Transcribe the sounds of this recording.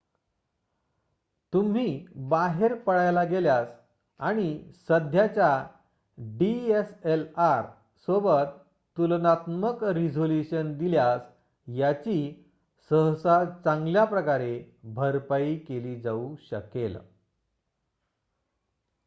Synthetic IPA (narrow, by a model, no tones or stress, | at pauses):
t̪um̤iːbaɦeɾpəɽajlaɡeljas | aɽ̃isəd̪ʱjat͡ɕja | ɖieselaɾ | sobət̪ | t̪ulnat̪məkɾid͡zʱoljuɕənd̪iljas | jat͡ɕiː | səɦsat͡sãŋɡljapɾəkaɾebʱəɾpaikeliːd͡zauɕə̰kel